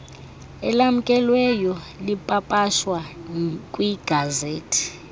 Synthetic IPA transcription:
ɛ̰lam̩kʼɛlwɛjɔ | lipʼapʼaʃwakʼwiɡ̥ʱazeːtʰi̥

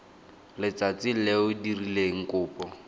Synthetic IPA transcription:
lɪt͡sat͡sɪleʊdirileŋ̩kʊːpɔ

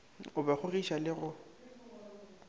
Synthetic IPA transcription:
ʊbaχʊriʃalɪɣʊ

